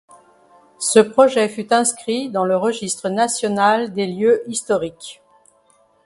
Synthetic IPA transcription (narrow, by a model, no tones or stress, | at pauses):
səpχɔʒɛfyt̪ɛ̃skχid̪ɑ̃ləʁəʒist̪χənasjɔnald̪eljøʔist̪ɔʁik